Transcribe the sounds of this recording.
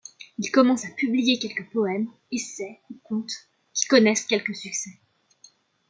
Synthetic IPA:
ilkɔmɑ̃sapyblijekʲɛlkəpɔɛm | esɛukɔ̃t̪ | kʲi̥kɔnɛskʲɛlkəsyksɛ

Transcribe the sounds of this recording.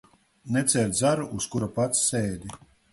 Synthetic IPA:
nɛt̪sʲɛɾʲt̪zaɾuʔuskuɾapat̪sːɛːd̪ʲi

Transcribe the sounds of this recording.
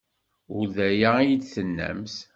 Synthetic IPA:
ʊɾðæjæjid̪θənːæ̰ms

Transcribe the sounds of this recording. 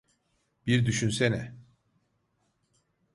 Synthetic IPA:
b̥iɾd̪yʃynsɛnɛ

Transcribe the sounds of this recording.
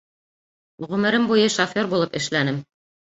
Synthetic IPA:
ʁɵ̆mɘ̆ɾɘmbujɤʃofʲoɾbulˠɤpɘ̆ʃlænɘm

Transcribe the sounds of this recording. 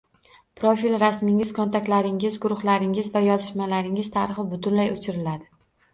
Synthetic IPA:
pʰɾofilɾasmɪŋɪz̥kʰɒnt̪ʰakʲlaɾɪŋɪzɡʊɾʊχlaɾɪŋɪzvajɒzɪʃmalaɾɪŋɪz̥t̪ʰaɾɨχɪbʊt̪ʰʊnlajʊt͡ʃʰɪɾɪlad̪ɪ

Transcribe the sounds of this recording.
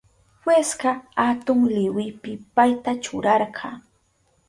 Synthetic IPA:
hweskɑat̪ʊŋlɪwɪpɪpajt̪at͡ʃʊɾɑɾɢɑ

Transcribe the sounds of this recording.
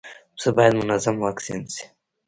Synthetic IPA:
səbɑjad̪mʊnazamwaksḭnsi̥

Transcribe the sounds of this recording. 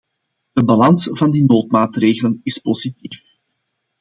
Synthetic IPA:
d̥əbɑlɑnsv̥ɑndinoːtmaːtreːɣələnɪspozitiːf

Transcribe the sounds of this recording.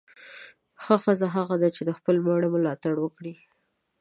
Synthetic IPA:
xəxəzaɦaɣad̪at͡ʃed̪əxpəlmaɽəməlɑt̪aɽwəkɽi

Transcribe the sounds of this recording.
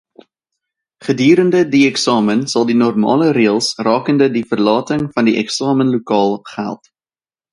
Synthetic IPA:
χədiːɾəndədiɛksɑːmənsɐlˠdinɔrmɑ̰ːləɾeːəlˠsrɑːkəndədifərlɑːtəŋfɐndiʔɛ̰ksɑːmənlukɑːlˠχæ̰lˠt

